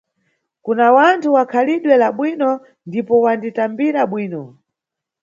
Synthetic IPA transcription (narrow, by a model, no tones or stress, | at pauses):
kunawantʰuwakʰaliɗwɛlaɓwinɔ | ndipɔwanditambiɾaɓwiːnɔ